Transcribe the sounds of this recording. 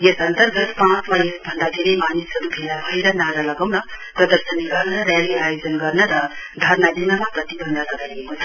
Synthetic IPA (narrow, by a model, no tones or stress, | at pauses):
jesʌnt̪ʌɾɡʌt̪pãt͡smajesbʱʌnd̪akʰeɾimanisʌɾubʰʱelabʱʌjɾʌnaɾalʌɡawnʌ | prʌd̪ʌɾsʌniɡʌɾnʌɾaliajod͡zʌnɡʌrnʌɾʌ | d̪ʱʌɾnad̪inamaprʌt̪ibʱʌnd̪alʌɡajɡekot͡sʰʌ